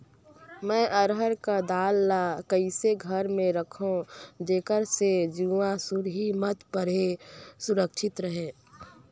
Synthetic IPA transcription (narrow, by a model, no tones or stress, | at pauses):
mɛ̃ːʔəɾɦəɾkad̪aːlːakəiseɡʱəɾmẽɾəkʰõd͡ʒeːkəɾsed͡ʒuãsuɾɦimət̪pəɾesʊɾəkʃʰɪt̪ɾəɦẽː